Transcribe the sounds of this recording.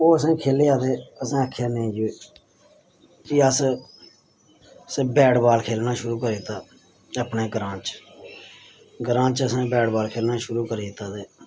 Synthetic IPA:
oːəsẽːkʰeːleːaːd̪eːəsãːəkʰːjaːnẽːd͡ʒoeː | kiəs | sbɛːɽbaːlkʰeːlnaːʃʊɾuːkəɾeːɪt̪ːaː | əpneːɡɾãːt͡ʃ | ɡɾãːt͡ʃəsãːbɛːɽbaːlkʰeːlnaːʃʊɾuːkəɾiːd̪t̪ːaːd̪eː

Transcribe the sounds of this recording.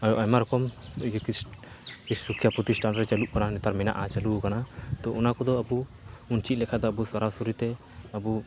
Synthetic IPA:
ajɔʔamaɾɔkɔmik̪i | sukʰːjapɾut̪isʈanɾɛt͡ʃaluʔkananɛt̪aɾmɛna̰ʔat͡ʃalukanat̪ɔʔɔnakɔd̪ɔabu | unt͡ʃit̪̚lɛkʰad̪ɔabusaɾasuɾit̪ɛ | abu

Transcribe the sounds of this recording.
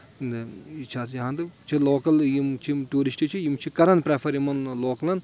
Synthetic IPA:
nd̪it͡ʃʰaːt̪jɐɦãnd̪ɨt͡ʃʰiloːkɐljimt͡ʃʰiʈuːɾisʈit͡ʃʰijimt͡ʃʰikɐɾɐnpɾepʰɐɾimɐnloːkɐlɐn

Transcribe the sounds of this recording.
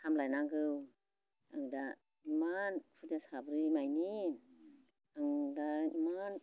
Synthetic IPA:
tʰamlajnaŋɡɯw | aŋda | imanpʰudasabɾimajnin | aŋdaiman

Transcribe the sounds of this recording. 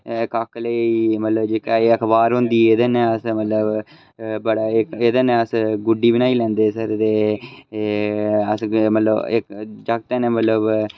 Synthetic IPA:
kakləimət̪ləbd͡ʒeːkaiəkʰbaːɾɦʊ̃nd̪iːed̪enɛ̃ːəsmət̪ləb | bəɽaːɪkeːd̪enɛ̃ːəsɡʊɖiːbənaːiːlɛ̃ːnd̪eːsəɾt̪eː | əsmət̪ləɪkd͡ʒaɡ̚t̪ɛːnɛːmət̪ləb

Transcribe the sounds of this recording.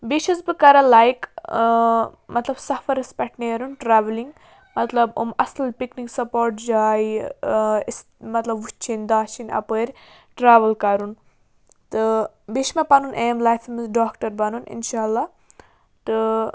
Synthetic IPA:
biʃɐzbɨkɐɾɐlajk | mɐt̪lɐbsɐfɐɾɐspʲɛʈneɐɾunʈɾaːʋliŋɡ | mɐt̪lɐbo̰mɐslpikniksɐpoːɾʈd͡ʒaːj | s | mɐt̪lɐbut͡ʃʰind̪aːʃinɐ̰pəɾʲ | ʈɾaːʋɐlkɐɾun | t̪ɨ | biʃmɐpɐnunʔeːmlaːjfimizɖaːkʈɐɾbɐnunḭnʃaːɐlːaː | t̪ɨ

